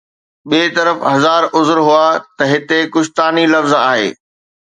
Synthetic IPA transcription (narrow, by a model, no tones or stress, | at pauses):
ɓiːt̪ɐɾəfɦɐzaːɾʊzɾɦʊat̪ɐɦɪt̪ekʊʃt̪aːnilɐfzaːɦḛː